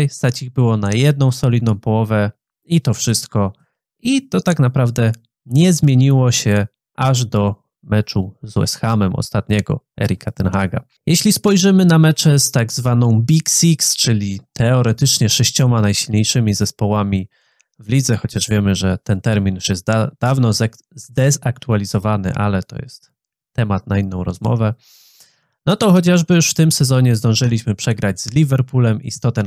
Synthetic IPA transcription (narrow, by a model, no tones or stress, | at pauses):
jst̪at͡ɕiɣbɘwɔnajɛd̪̚nɔ̃w̃sɔlʲid̪nɔ̃w̃pɔwɔvɛ | it̪ɔfʂɘst̪kɔ | it̪ɔt̪akn̪apɾavd̪ɛ | ɲɛzmʲjeɲiwɔɕɛ | ʔaʐd̪ɔ | mɛt͡ʂuzwɛ̰sxamɛmɔ̰st̪at̪ɲɛɡɔ̰ | ɛ̰ɾʲikʰat̪ɛnxaɡa̰ | jɛɕlʲispɔjʐɘmɘnamɛt͡ʂɛst̪aɡzvanɔ̃w̃bʲiksikst͡ʂɘlʲit̪ʰɛɔɾɛt̪ɘt͡ʂɲɛʂɛɕt͡ɕɔmanajɕilɲejʂɘmʲizɛspɔwamʲi | vlʲid̪zɛxɔt͡ɕaʐvʲjɛmɘʐɛt̪ɛnt̪ɛɾmʲinjuʂjɛst̪d̪̥avnɔ | zd̪ɛzakt̪ualʲizɔvanɘ̰ʔa̰lɛt̪ɔ̰jɛ̰st̪ː | ɛmat̪̚nainːɔ̃w̃ɾɔ̰zmɔ̰vɛ | nɔt̪ɔxɔt͡ɕaʐbɘjuʂft̪ɘmsɛzɔɲɛzd̪ɔ̃w̃ʐɘlʲiɕmɘpʂɛɡɾad͡ʑzlʲivɛɾpulɛmḭst̪ɔt̪ɛn